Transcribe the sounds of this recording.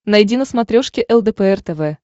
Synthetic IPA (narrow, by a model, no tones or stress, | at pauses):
nɐjdʲinəsmat̪ɾʲoʂkʲɪʔɛlˠd̪ɛpəɛrt̪ɛvɛ